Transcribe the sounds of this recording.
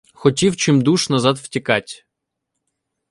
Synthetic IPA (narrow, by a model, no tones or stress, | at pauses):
xɔtʲiwt͡ʃɪmd̪uʃnɐzɑd̪w̥tʲikɑtʲ